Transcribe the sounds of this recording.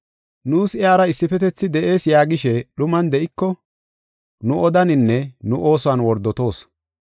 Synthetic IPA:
nuːsɪaːɾɐɪsːɪfɛt̪ɛt͡sːɪd̪ɛʔe̞ːsjaːɡɪʃɛɗʊmɐnd̪ɛʔɪkːɔ | nʊɔd̪ɐnɪnːɛnʊʔo̞ːsʊwɐnwɔɾd̪ɔt̪o̞ːs

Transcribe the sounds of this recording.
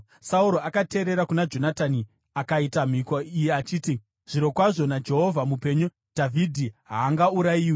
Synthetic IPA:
sauɾo̞akate̞ːɾe̞ɾakunad͡ʒo̞natani | akaitam̤ikoijeat͡ʃiːti | ʐ̥iɾo̞kwaʐo̞nad͡ʒe̞ɦo̞vʱamupe̞ɲu | d̥ʱavʱidʱiɦaːŋɡauɾajiːwi

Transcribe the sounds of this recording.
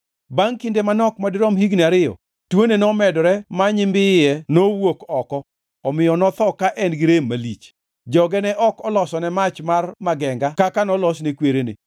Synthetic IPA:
baŋkɪndemanɔkmadɪɾɔmhiɡnaɾɪɔ̰ | twonenɔmɛdɔɾɛmaɲɪmbɪjɛnowokɔkɔ | ɔmɪjɔnɔt̪ɔkaʔɛnɡɪɾemːalit͡ʃ | d͡ʒɔɡɛnɛʔɔkɔlɔsɔnɛmat͡ʃmarmaɡɛŋɡakakanɔlɔsnekweɾenḛ

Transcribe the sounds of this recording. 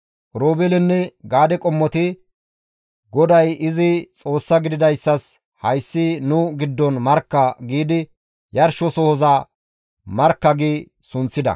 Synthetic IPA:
ʔɾoːbɛlɪnːɛɡaːd̪ɛkʼɔmːɔt̪ɪ | ɡɔd̪ɐjɪzɪt͡sʼo̞ːsːɐɡɪd̪ɪd̪ɐjsːɐs | hɐjsːɪnʊɡɪd̪ːɔnmɐɾkːɐɡiːd̪ɪ | jɐɾʃɔsɔhɔzɐ | mɐɾkːɐɡiː | sʊnt͡sːɪd̪ɐ̰

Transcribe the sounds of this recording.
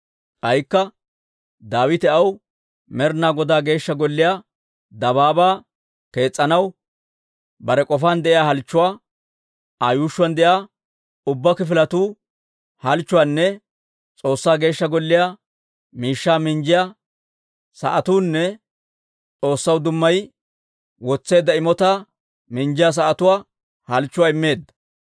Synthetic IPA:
kɐjkːɐ | d̪aːwɪt̪ɛʔɐw | mɛɾnaːɡɔd̪aːɡe̞ːʃːɐɡɔlːɪjaː | d̪ɐβaːbaː | ke̞ːt͡sʼːɐnɐw | bɐɾɛkʼɔfaːnd̪ɛʔɪjaːhɐlt͡ʃːʊwaː | ajuːʃːʊwɐnd̪ɛjaː | ʊbːɐkɪfɪlɐt̪uː | hɐlt͡ʃːʊwanːɛ | t͡sʼo̞ːsːaːɡe̞ːʃːɐɡɔlːɪja | miːʃːaːmɪnd͡ʒɪja | sɐ̰ʔɐt̪uːnːɛ | t͡sʼo̞ːsːɐwd̪ʊmːɐj | wɔt͡sːe̞ːd̪ːɐɪmɔt̪a | mɪɲd͡ʒɪjas̬ɐʔɐt̪ʊwaː | hɐlt͡ʃːʊwaːɪmːe̞ːd̪ːɐ̥

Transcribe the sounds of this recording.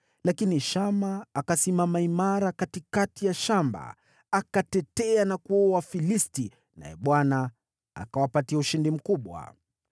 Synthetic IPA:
lakiniʃamaːkasimamaimaɾakatikatijaʃamba̰ | akatɛtɛanakuɔwafilisti | na̰jɛ̰ɓwana | a̰kawapatiauʃindim̩kuɓwa̰

